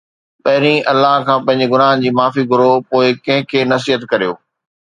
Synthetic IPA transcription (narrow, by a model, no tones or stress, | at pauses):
ɓɐɦɪɾĩɐlːaɦkʰãːpɐ̃ɦɪ̃ɲd͡ʑeɡʊnaːɦə̃nd͡ʑiːmaːfiɡʊɾopoːɪkɐ̃ɦɪ̃kʰeːnɐs̬iːət̪kɐɾijoː